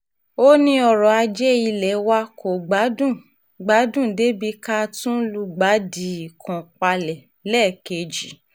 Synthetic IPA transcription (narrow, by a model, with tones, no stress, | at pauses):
o˦nĩ˧ɔ˨ɾɔ˨a˧d͡ʒɛ˦i˧lɛ˨wa˦ko˨ɡ͡ba˨˦dũ˦˨ | ɡ͡ba˨˦dũ˦˨de˨˦bi˧˦ka˦˧tũ˦lu˧˦ɡ͡ba˨˦di˧˦i˨kʰɔ̃˨k͡pa˧lɛ˨ | lɛː˦˨ke˧d͡ʒi˨˦